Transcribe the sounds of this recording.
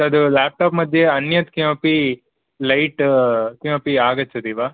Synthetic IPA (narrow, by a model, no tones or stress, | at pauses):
ɐd̪ulaːp̚ʈaːpmɐd̪ʱːjeɐnjɐt̪kijõːpi | lɐjʈkijõːpiaːɡɐt͡ʃːɐd̪iːʋaː